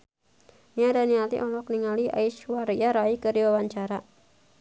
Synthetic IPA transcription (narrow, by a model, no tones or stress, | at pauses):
niadaniat̪ḭʔɔlɔk̚niŋaliʔa̰iʃwaɾiaɾaikəɾiwawaɲt͡ʃaɾa